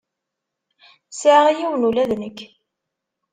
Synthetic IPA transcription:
sʕʁijiwənulæðnəkː

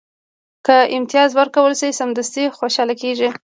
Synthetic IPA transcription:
kəɪmt̪ijɑzwəɾkawəlʃisamd̪ast̪ixoʃɑlakeʒi

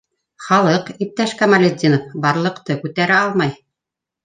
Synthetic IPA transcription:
χɑlˠɤqip̚t̪æʃkɑmalʲed̪ʲinofbɑɾlˠɤ̆qt̪ɤkʉt̪æɾæɑlˠmɑj

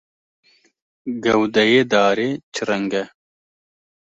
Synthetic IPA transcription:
ɡɐwd̪ɐjed̪ɑːɾet͡ʃɾɐŋɡɐ

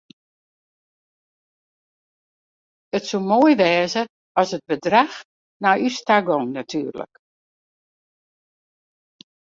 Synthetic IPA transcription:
ətsumoəjʋɛːzə | ɔsət̚bədrax | naystaɡɔŋnatʰyːrlə̰k

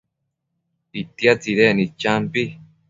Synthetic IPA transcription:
it̪iat͡siɾenĩt͡ʃampi

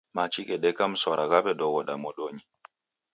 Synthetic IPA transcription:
mat͡ʃikɛɗɛkamsɔɾʔaɡaɓɛɗɔwɔɗamɔɗoɲi

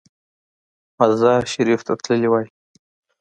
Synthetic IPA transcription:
mazɑɾʃaɾift̪ʰat̪ləliwɑj

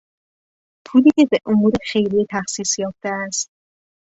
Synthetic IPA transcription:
pʰuːliːce̞beʔomuːɾexe̞jɾijet̪ʰæxsiːsjɒːft̪eæst̪̚

